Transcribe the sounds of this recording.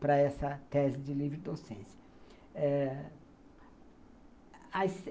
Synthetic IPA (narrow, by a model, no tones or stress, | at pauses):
pɾɐɛsɐt̪ɛzɪd͡ʒɪlivɾɪd̪osẽsɐ̥ | ɛ | ɐs